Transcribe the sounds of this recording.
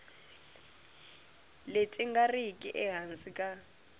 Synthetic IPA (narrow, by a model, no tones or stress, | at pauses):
let͡sʼɪŋɡarikʼɪʔɛɦansikʼa